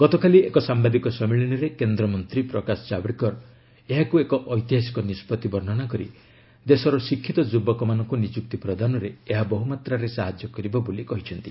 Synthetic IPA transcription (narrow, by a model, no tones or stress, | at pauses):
ɡ̥ɔt̪ɔkaliekɔsambad̪ikɔsɔmiɭinɔɾekend̪ɾɔmɔnt̪ɾipɾɔkasɔ̥t͡ʃabɽikɔɾ | eɦakuekɔʔɔjt̪iɦasi̥kɔnispɔt̪ibɔɾn̤ɔnakɔɾḭ | d̪esɔɾɔsikʰːit̪ɔd͡ʒubɔkɔmanɔŋkunid͡ʒuk̚t̪ipɾɔd̪ʱanɔɾeeɦabɔɦumat̪ɾaɾesaɦad͡ʒjɔkɔɾibɔbolikɔɦit͡ʃʰɔnt̪i